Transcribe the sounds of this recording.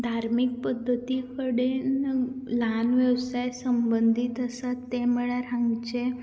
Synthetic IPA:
d̪ʱaɾmik̚pəd̪ʱːət̪ikəɽenlanʋjəʋsajsəmbənd̪ʱit̪əsat̪ːeməɭaɾãŋɡt͡ʃe

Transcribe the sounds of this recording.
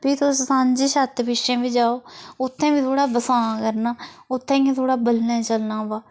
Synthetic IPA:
piːt̪ʰossãːɲd͡ʒiːʃət̪pɪʃẽːbiːd͡ʒaːoːʊt̪ʰːẽːʋiːt̪ʰoːɽaːbəsãːkəɾnaːʊt̪ʰːẽːẽːt̪ʰoːɽaːbəlnãːt͡ʃəlnãːʋaː

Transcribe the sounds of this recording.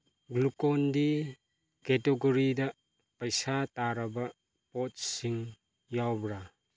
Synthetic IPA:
ɡlukɔndi | kɛteɡɔɾidɐ | pɐjsataɾɐbɐ | pɔt̚siŋ | jawbɾa

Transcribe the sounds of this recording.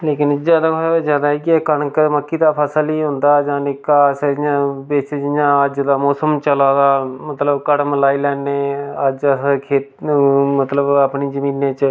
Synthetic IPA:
leːkɪnzjaːd̪aːzjaːd̪aːɦiːkɪɛkənkməkːiːd̪aːpʰəsəliːɦʊ̃nd̪aːd͡ʒãːnɪkasãbeːt͡ʃd͡ʒɪjãːəd͡ʒd̪aːmɔːsəmt͡ʃəlaːd̪aːmət̪ləbkəɽməlaːiːlɛːneːəd͡ʒəkʰeːt̪mət̪ləbaːpniːzəmiːnːẽːt͡ʃ

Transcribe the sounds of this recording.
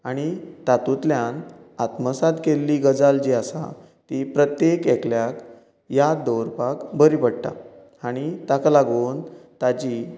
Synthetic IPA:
aɽ̃it̪at̪ut̪ljanat̪məsad̪kelːiɡəd͡zald͡ʑiasa̰ | t̪ipɾət̪jekɛkljak | jad̪oɾpakbəɾipəɽʈ̪a̰ | aɽ̃it̪aklaɡuːnt̪ad͡ʑi

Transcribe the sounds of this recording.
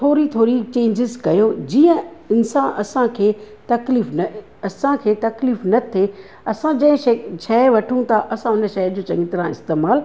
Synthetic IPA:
t̪ʰoːɾit̪ʰoːɾit͡ɕẽːɲd͡ʑɪzkɐjod͡ʑiːə̃ɪnsãːʔɐsãkʰeː | t̪ɐkliːfnɐ | ɐsãkʰeːt̪ɐkliːfnɐt̪ʰe | ɐsãd͡ʑɐ̃ɦɪ̃eʃɛːʋɐʈʰũt̪ʰaʔɐsãʊnə̆ʃɐd͡ʑoːt͡ɕɐ̰̃ŋɡɪt̪ɪɾãɪ̰st̪eːmaːl

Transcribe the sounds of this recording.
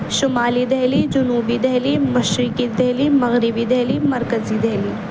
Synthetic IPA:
ʃʊmaːlid̪ɛɦlid͡ʒʊnuːbid̪ɛɦlimɐʃɾɪkid̪ɛɦlimɐɣɾɪbid̪ɛɦlimɐɾkəzid̪ɛɦli

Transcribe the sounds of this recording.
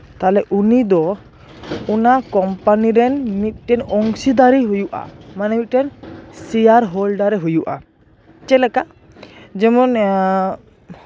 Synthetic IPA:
t̪alɛʔunid̪ɔ | unakɔmpaniɾɛnmit̪̚ˀʈɛnɔŋsid̪aɾiɦujuʔa̰manɛmit̪̚ʈɛnsijaɾɦɔlɖaɾɛɦujuʔa̰ | t͡ʃɛlɛka | d͡ʒɛmɔn

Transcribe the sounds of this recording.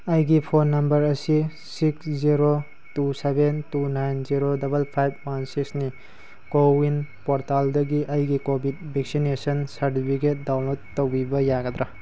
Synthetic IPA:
ɐjɡipʰonːɐmbɐɾɐsi | siksziɾo | tusebentunajnziɾodɐbɐlpʰajb̚mansiksni | kowinpoɾtaldɐɡiʔɐjɡikobit̚bʱek̚sinesɐnsɐɾtipʰik̬et̚dawnlotːowbibɐjaɡɐd̪ɾɐ

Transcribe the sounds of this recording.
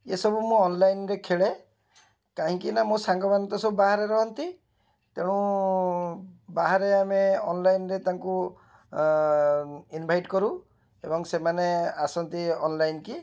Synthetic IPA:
esɔbumũɔnlajnɾekʰeɭe | kaɦĩkinamosaŋɡɔbant̪ɔsɔbubaɦaɾeɾɔɦɔnt̪i | t̪eɽ̃ũ | baɦaɾeameɔnlajnɾet̪aŋku | inbʱajʈkɔɾu | ebɔŋsemaneasɔnt̪iɔnlajnki

